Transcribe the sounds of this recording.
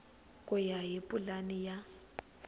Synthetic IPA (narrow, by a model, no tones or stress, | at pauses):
kʼʊjaɦipʼulanija